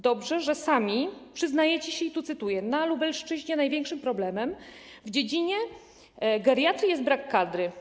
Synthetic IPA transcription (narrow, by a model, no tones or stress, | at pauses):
d̪ɔbʐɛʐɛsamʲipʂɘznajɛt͡ɕiɕɛit̪ut̪sɘt̪ujɛnalubɛlʂt͡ʂɘʑɲɛnajvʲjɛŋkʂɘmpɾɔblɛmɛm | vd͡ʑed͡ʑiɲɛ | ɡaɾʲjat̪ɾijɛs̬t̪bɾakːad̪ɾɘ